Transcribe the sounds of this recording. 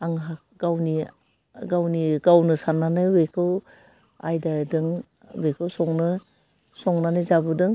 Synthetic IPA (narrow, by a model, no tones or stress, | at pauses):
aŋɦa | ɡawni | ɡawniɡawnɯsanːanɯbekʰɯw | ajdadɯŋ | bekʰɯwsɔŋnɯ | sɔŋnanɯzabɯdɯŋ